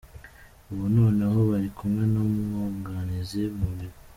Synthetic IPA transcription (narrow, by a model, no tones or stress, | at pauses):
uβuno̞ːneɦo̞βaɾikʰumŋe̞nomŋoɡanizemuβiɾ